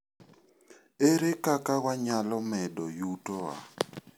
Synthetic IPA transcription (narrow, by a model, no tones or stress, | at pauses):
eɾɪkʼakʼaɣwaɲalɔmɛdɔjuːtʼɔwa̰